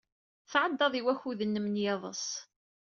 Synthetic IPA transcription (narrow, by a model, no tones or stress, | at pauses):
θʕəd̪ːɑðˤiwæçuðənːəmnjɑðˤə̰sˤ